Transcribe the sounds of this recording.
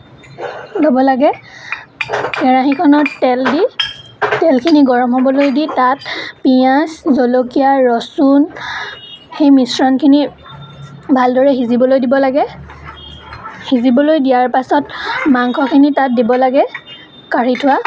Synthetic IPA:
dɔbɔlaɡɛ | xɛɹaxikʰɔnɔɹtɛldi | tɛlkʰiniɡɔɹɔmɦɔbɔlojditatpiaszolokijaɹɔsun | xejmisɹɔnkʰini | bʱaldɔɹɛxizibɔlojdibɔlaɡɛ | hizibɔlojdijaɹpasɔtmaŋkʰɔkʰinitat̚dibɔlaɡɛ | kaɹitʰʊwa

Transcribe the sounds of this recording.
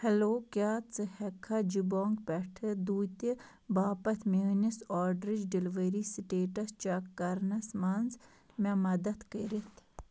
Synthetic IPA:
hɐloːkjaːt͡sɨhɛkʰːad͡ʒiboːŋɡpɛʈʰɨd̪uːt̪i | baːpɐt̪ʰminisɔːɾɖɾid͡ʒɖilʋəɾisʈeːʈɐst͡ʃakːɐɾnɐsmaːnz | mɛmɐd̪ɐt̪kəɾit̪ʰ

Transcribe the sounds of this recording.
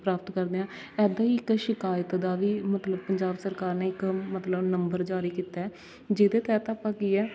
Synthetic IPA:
pɾaːpət̪kəɾd̪eːãː | ɛːd̪aːiːɪkʃɪkaːjət̪d̪aːʋiːmət̪ləb̚pəɲd͡ʒaːbsəɾkaːɾneːɪkmət̪ləbnəmbəɾd͡ʒaːɾiːkiːt̪aɛː | d͡ʒɪd̪eːt̪ɛːt̪aːpːãːkiːɛː

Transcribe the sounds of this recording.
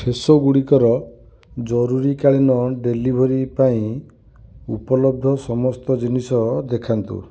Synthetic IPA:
pʰesoɡuɽikɔɾɔ | d͡ʒɔɾuɾikaɭinɔɖelibʱɔɾipaĩ | upɔlɔb̚d̪ʱɔsɔmɔst̪ɔd͡ʒinisɔd̪ekʰant̪ṵ

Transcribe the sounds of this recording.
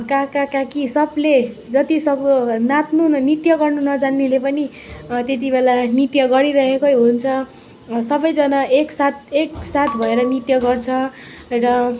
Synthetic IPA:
kakakakisʌbled͡zʌt̪isʌbnat̪nunit̪jʌɡʌrnunʌd͡zanːelepʌni | t̪et̪̬ibelanit̪jʌɡʌɾiɾʌɦekojɦunt͡sʰʌ | sʌbʌjd͡zʌnaeksat̪eksat̪ʰbʱʌeɾʌnit̪jʌɡʌrt͡sʰʌ | rʌ

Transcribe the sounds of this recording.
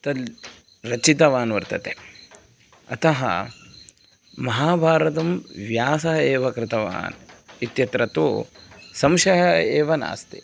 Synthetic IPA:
t̪ɐl | ɾɐt͡ʃit̪ɐʋaːnʋɐɾt̪ɐt̪e | ɐt̪ɐɦɐ̰ | mɐɦaːbʱaːɾɐt̪ɐmʋjaːsɐɦɐeːʋɐkɾɪt̪ɐʋa̰ːnit̪jɐt̪ɾɐt̪o̰ːsɐmʃɐɦɐeːʋɐna̰ːst̪ḭ

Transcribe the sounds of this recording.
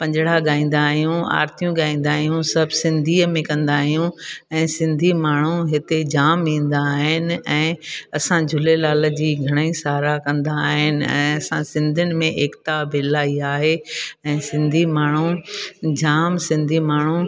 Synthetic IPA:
pɐ̃ɲd͡ʑɽ̤aɠaːĩːn̆d̪aːɦijũa̰ːɾt̪ijũɠaːĩːnd̪aːɦijũsɐbʱsɪ̃nd̪ʱiːmẽkɐ̃nd̪aːɦijũɛ̃ːsɪ̃nd̪ʱimaːɳ̤ũɦɪt̪ed͡ʑaːmĩːn̆d̪aɦɪnɪ̆ɛ̃ːɐsãd͡ʑʱʊlelaːləd͡ʑiːɡʱɐɽ̃əisaːɾakɐ̃nd̪aːɦɪnɪ̆ɛ̰̃ːɐsãsɪ̃nd̪ʱʊnɪ̆mẽʔeːkt̪abɪːlaːiaːɦeɛ̃ːsɪ̃nd̪ʱimaːɳ̤ũd͡ʑaːmsɪ̃nd̪ʱimaːɳ̤ũ

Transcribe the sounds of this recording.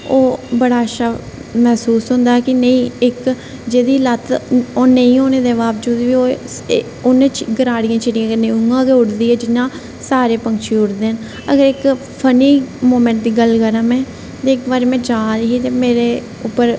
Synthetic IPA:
oːbəɽaːʃaː | mɛːsuːsɦʊ̃nd̪aːkɪnəĩːɪk | d͡ʒeːd̪iːlət̪oːnəĩːɦoːneːd̪eːʋaːpd͡ʒuːd̪iːʋiːoː | ʊnẽːt͡ʃɡəɾaːɽɪjãːt͡ʃɪɽiːãːəneʊŋɡãːɡeːʊɽd̪iːɛːd͡ʒɪnːãː | saːɾeːpə̃ŋkt͡ʃʰiːʊɽd̪eːən | ə̰ɡəɾɪk | pʰəniːmoːmɛ̃ɳʈ̚d̪iːɡəlkəɾəmɛ̃ː | t̪eːɪkbaːɾeːmɛ̃ːd͡ʒaːɾəɦiːt̪eːmeːɾeː | ʊpːəɾ

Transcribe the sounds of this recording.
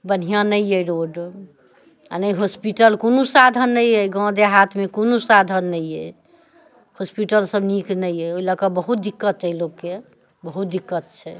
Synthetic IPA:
bən̤ijãnəjəɾoɖ | a̰nəjɦospiʈəlkonosad̪ʱənːəjɛɡɔ̃d̪eɦat̪ʰmekonosad̪ʱənːəjɛ̰ | hospiʈəlsəbniknəjɛoiləkəbəɦut̪̚d̪ikːət̪əjloɡkːe | bəɦut̪̚d̪ikːət̪̚t͡ʃʰɛ

